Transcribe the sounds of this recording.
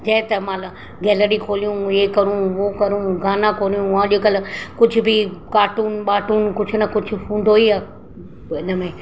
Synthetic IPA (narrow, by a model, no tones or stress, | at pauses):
d͡ʑɐɪ̃t̪ɐmãːl | ɡɛːləɾikʰoːlijũeːkɐɾũʋoːkɐɾũɡaːnãkoːlijũãːʄokɐlɪkʊd͡ʑʱʊ̆bʱɪkaːʈuːnɓaːʈuːnkʊd͡ʑʱʊnɐkʊd͡ʑʱʊ̆fũːɳɖʱoːiaː | ɪnəmẽ